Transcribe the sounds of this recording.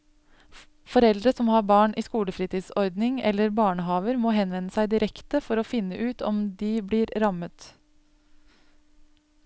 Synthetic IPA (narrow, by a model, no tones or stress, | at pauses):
fɔɾɛld̪ɾəsɔmːhɑːɾbɑːɳʔiːskuːləfɾiːt̪iːsɔɾd̪nɪŋɛ̰lːəɾbɑːɳəɦɑːʋəɾmoːɦɛnʋɛnəsæɪd̪ɪɾʔɛkt̪əfɔɾoːfɪnːəʔʉːt̪ɔ̰md̪ibliːɾɾɑmət̪